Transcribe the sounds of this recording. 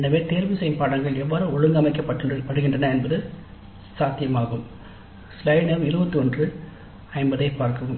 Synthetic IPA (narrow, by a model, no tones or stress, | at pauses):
ɛnɐʋeːt̪eːɾʋɯsɛjɐmpaːɽɐŋɡɐɭɛʋːaːɾɯɔɻɯŋɡɐmɐɪkːɐpːɐʈːɯpːɐɽɯɣɪndrɐnɐɛnbɐðɯ | saːt̪ɪjɐmaːɣɯm | slɐɪnɐmɪɾɯbɐt̪ːɯɔndrɯ | ɐɪmbɐðɐɪpːaːɾkɯɯm